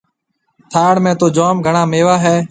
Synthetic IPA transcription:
t̪ʰaːɽmẽːt̪oːd͡ʒoːmɡʱəɳãːmeːʋaːɦɛː

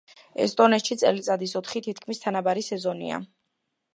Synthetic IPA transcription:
ɛ̰st̪ʼɔnɛt̪ʃit̪sʼɛlit̪sʼad̪isɔt̪ʰχit̪ʰit̪ʰkʰmist̪ʰanabaɾisɛzɔnḭa̰

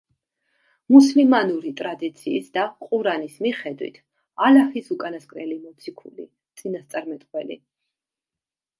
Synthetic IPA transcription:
muslimanuɾit̪ʼɾad̪it̪sʰiːsd̪aqʼuɾanismiχɛd̪wḭt̪ʰ | alahisukʼanaskʼɾɛlimɔt̪sʰikʰṵlḭ | t̪sʼinast̪sʼaɾmɛt̪ʼqʼwɛlḭ

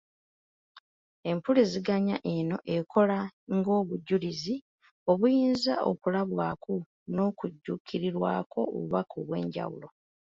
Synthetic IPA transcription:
e̞mpuliziɡaɲa̰ʔeno̞ʔe̞kʰo̞laŋɡo̞ːβuɟːulizi | o̞βujiːnza̰o̞̰kulaβwaːku | no̞kuɟːukʰiɾiɾwaːkʰo̞o̰βuβakoβwe̞̰ːɲɟa̰wṵlo̞

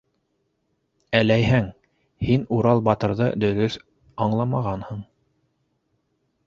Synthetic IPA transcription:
ælæjɦɘŋ | hinuɾɑlˠbɑt̪ɤ̆ɾðɤd̪ɵ̆ðɵθ | ɑɴlˠɑmɑʁɑnhɤɴ

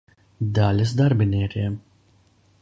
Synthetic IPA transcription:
d̪alʲɐsd̪aɾbinʲɛːɾiɛm

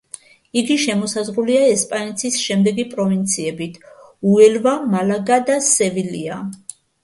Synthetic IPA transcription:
iɡiʃɛmɔsazʁɾuliaɛspʼanɛt̪ʰisʃɛmd̪ɛɡipʼɾɔvint̪sʰiɛbit̪ʰuɛlvamalaɡad̪asɛvilia

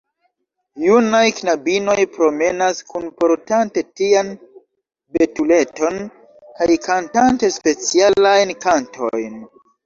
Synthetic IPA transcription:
junajknabino̞jpɾo̞me̞naskʰunpo̞ɾtante̞tian | be̞tule̞to̞n | kajkantante̞spe̞t͡sialajnkantʰo̞̰jn

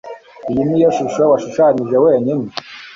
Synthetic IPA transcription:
ijinijoʃuʃwewaʃuʃaːɲiʒeweːɲini

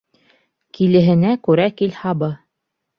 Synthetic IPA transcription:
kilɘ̆ɦɘ̆nækʉɾækilhɑbɤ

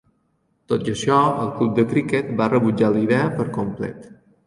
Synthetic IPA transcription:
t̪ot̪əʃɔəlˠklup̚d̪əkɾikɛt̪̚barəβud͡ʒaliðɛəpəɾkumplɛ̰t̪

